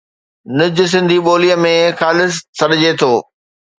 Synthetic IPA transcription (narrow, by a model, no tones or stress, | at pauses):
nʊd͡ʑʊ̆s̬ɪ̃nd̪ʱiɓoːlijəmẽxaːlɪssɐɗɪd͡ʑet̪ʰoː